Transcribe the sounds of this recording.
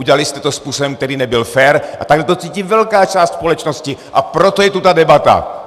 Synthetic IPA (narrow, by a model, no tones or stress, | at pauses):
uɟɛalist̪ɛt̪ɔspuːsɔbɔmk̚t̪ɛɾiːnɛbilfɛːɾa̰t̪aɡlɛt̪ɔt͡siːcivɛlkaːt͡ʃaːscʲspɔlɛt͡ʃnɔsciʔa̰pɾɔt̪ɔjɛt̪ut̪ad̪ɛbat̪a̰